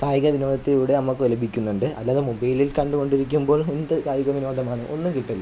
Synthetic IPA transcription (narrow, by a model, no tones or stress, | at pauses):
kaːjɣɐʋinoːd̪ɐt̪ːiluːɽe̞ɐmːɐkːɨʋɐlɐbʱikʲːunːuɳɖɨɐ̰ðlaːðɨmubɐjlilkɐɳɖuko̞ɳɖiɾikʲːumbo̞ːɭend̪ɨkaːjuɣɐʋinoːd̪ɐmaːɳɨʔo̞nːumkiʈːɐlːɐ